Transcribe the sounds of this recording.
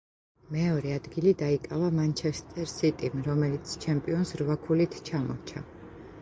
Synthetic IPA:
mɛɔɾɛad̪ɡilid̪aikʼavamant͡ʃʰɛst̪ʼɛɾsit̪ʼimɾɔmɛlit̪sʰt͡ʃʰɛmpʼiɔnsɾvakʰulit̪ʰt͡ʃʰamɔ̰ɾt͡ʃʰa̰

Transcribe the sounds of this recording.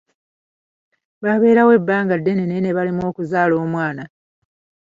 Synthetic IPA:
βaβe̞ːɾawe̞bːaːŋɡadːe̞nenene̞βalimo̞ːkuzaːlo̞ːmwaːna

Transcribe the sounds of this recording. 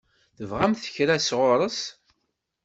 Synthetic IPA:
θəvʁæmθə̥çɾæsʁʊɾˤəs

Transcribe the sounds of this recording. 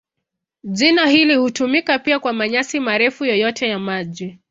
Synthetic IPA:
ʄinahilihutumikapiakwamaɲasimaɾɛfujɔjɔtʰɛjamaʄi

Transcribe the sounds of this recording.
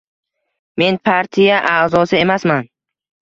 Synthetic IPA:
me̞npʰaɾt̪ʰijaʔazɒsɪe̞masman

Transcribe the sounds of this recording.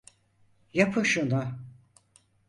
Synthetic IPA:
japʰɯʃuna

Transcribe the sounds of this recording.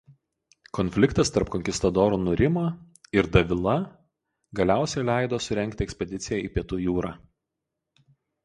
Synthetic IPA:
kɔnʲfʲlʲɪkt̪ɐst̪ɐɾpkɔŋʲkʲɪst̪ɐd̪ɔːɾuːnʊɾʲɪmoː | ɪɾd̪ɐʋʲɪlˠɐ | ɡɐlʲæˑʊsʲɛɪlʲæˑɪd̪oːsʊɾʲɛŋʲkʲt̪ʲɪɛksʲpʲɛd̪ʲɪt̪sʲɪjɛæˑiːpʲiɛt̪uːjuːɾɑː

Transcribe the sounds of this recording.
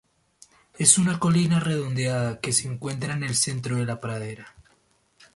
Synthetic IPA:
e̞sunako̞linare̞ðo̞nd̪eaðake̞seːŋkwe̞nt̪ɾaene̞lse̞nt̪ɾoð̞e̞lapɾaðe̞ɾa

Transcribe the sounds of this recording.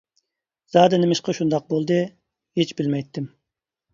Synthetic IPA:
z̥ɑːd̪ɛnɪmɪʃqɑʃund̪ɑq̚bolˠd̪ɨ | het͡ʃbɪlmɛjt̪ʰːɪm

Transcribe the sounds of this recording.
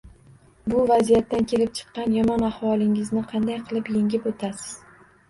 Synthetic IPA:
bʊvazijat̪ːankʲʰe̞lɪp̚t͡ʃʰɨ̥qːɑnjɒmɒnahwɒlˠɪŋɪznɪqʰɑnd̪ajqʰɨlˠɪpjeŋʲɪpot̪ʰasɪ̥z̥

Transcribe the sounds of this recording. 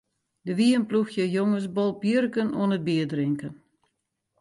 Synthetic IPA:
dəʋiənpluxjəjoŋəs̬bɔlˠpjørkənuənət̚biədrɪŋkən

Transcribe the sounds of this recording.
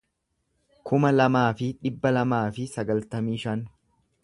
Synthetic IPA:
kʰʊmɐlɐmaːfɪᶑɪbːɐlɐmaːfɪsɐɡɐlt̪ɐmiːʃɐn

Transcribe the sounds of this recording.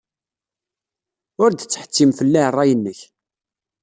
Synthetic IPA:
ʊɾd̪ət͡sːħə̥t͡sːimfəlːærˤːɑjənːəç

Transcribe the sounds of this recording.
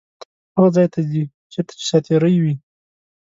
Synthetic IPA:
t̪ | aɣazɑjt̪ʰad̪i | t͡ʃeɾt̪ḁt͡ʃe̥sɑt̪eɾəjwi

